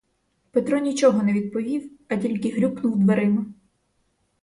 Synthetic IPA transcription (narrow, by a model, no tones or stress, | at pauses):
pet̪ɾɔnʲit͡ʃɔɦɔnɛʋʲid̪̚pɔʋʲiwɐtʲilʲkɪɦɾʲuknʊwd̪ʋɐɾɪnʊ